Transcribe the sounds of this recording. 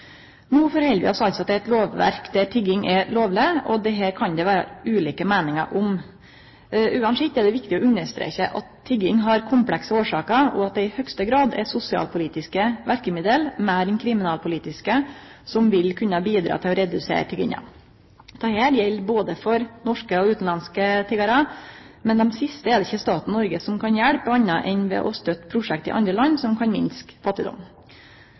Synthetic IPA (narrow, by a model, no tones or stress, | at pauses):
nuːfɔɾhɛlʋɪ̰ɔsɔɑlt̪sɔɑt̪̚d̪ɛt̪loːʋʋæ̰ɾkd̪æʈʰɪɡɪŋʔɛloːʋlɪɔd̪ɛɦæːɾkʰɑnd̪ɛʋæːɾə̰ʉːliːkəmæːnɪŋə̰ɾʔʊm | ʔʉːɑnsɛt̪ɛɖ̪ɛʋɪkt̪ɪɔʉnːəʂt̪ɾḛːçəʔɑt̪ʰːɪɡɪŋɦɑɾkʰʊmpʰlɛksəoːʂɑːkəɾɔɑt̪̚d̪ɛɪhœkst̪əɡɾɑːd̪ɛ̰sʊsɪɑ̰lpʰʊliːt̪ɪskəʋæɾkəmɪd̪əlmæːɾɛnkʰɾɪmɪnɑːlpʰʊliːt̪ɪskəsɔmʋɪlkʰʉnːəbiːd̪ɾɑ̰ːt̪ʰɪlɔɾɛd̪ʉsḛːɾt̪ʰɪɡɪ̰ŋɑ̰ | d̪̥ʰɑhæːɾjɛlːboːd̪əfɔɾnɔʂkəɔʉːt̪n̩lɑnskət̪ʰɪɡɑɾɑ | mɛnd̪ɛmsɪst̪əɛd̪ɪçːəst̪ɑːt̪n̩nɔɾɡəsɔmkʰɑnjæɽpəɑnːɑʔɛnʋɛ̰ʔɔst̪œt̪ːpʰɾʊʂɛkt̪ɪ̰ʔɑ̰nd̪ɾəlɑnːsɔmkʰɑnmɪ̰nskfɑt̪ːɪd̪ɔ̰m